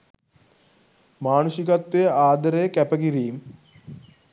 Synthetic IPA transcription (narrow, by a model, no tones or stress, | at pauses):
maːnusikɐt̪ːeaːd̪ɐɾeːkɛpɐkiɾiːm